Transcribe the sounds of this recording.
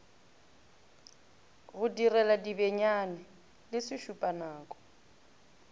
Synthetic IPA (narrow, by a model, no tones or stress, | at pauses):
ɣʊdirɛladibɛɲanɛ | lɪsɪʃupʼanaːkʼɔ̥